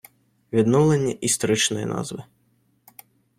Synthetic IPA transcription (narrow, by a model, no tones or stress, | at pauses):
vʲid̪nɔwlˠɐnʲːɐʔist̪ɔɾɨt͡ʂnɔjɛ̰na̰zʋɨ